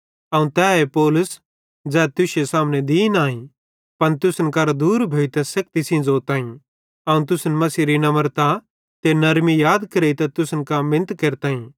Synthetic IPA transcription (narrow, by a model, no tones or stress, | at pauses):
ɐũt̪ɛːepoːlʊs | d͡ʒɛːt̪ʊʃjesaːmned̪iːnaːĩ | pɐnt̪ʊsənkɐɾad̪uːɾbʱoːit̪ɛ̃sɐk̚t̪isĩːnd͡zoːt̪ãːĩ | ɐũt̪̬ʊsnmɐsiːɾinɐməɾt̪a | t̪enɐɾmijaːd̪kɐɾeit̪ɛt̪ʊsənkamɪ̃nt̪keɾt̪ãːĩ